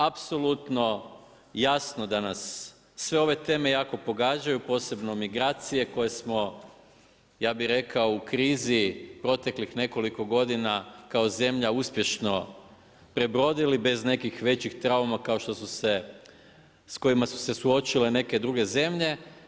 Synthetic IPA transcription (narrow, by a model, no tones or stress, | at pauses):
apso̞lˠut̪no̞ | jasnod̪anasː | ʋe̞o̞ʋe̞t̪e̞ːme̞jaːko̞po̞ɡaːd͡ʑajupo̞ːse̞bno̞miɡɾaːt̪sije̞ko̞jesmo̞ | jaːbiɾe̞kao̞ukɾiːzipɾo̞t̪e̞klixne̞ko̞liko̞ɡo̞d̪inakao̞ze̞mʎauspje̞ʃno̞ | pɾe̞bɾo̞d̪ilibe̞zne̞kixʋe̞t͡ɕixt̪ɾaumakaoʃt̪o̞suse̞ | sko̞imasu̥se̞suo̞t͡ʃile̞ne̞ke̞d̪ɾuɡe̞ze̞mʎe̞